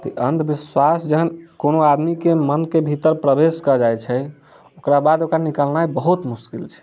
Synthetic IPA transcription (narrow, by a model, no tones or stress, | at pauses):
t̪ə̰ʔənt̪biswasd͡ʒəɦənkonoad̪mikemənkebʱit̪əɾpɾəbeskəd͡ʒajt͡ʃʰɛ | okɾabad̪okɾanikəlnajbəɦut̪muskilt͡ʃʰɛ̥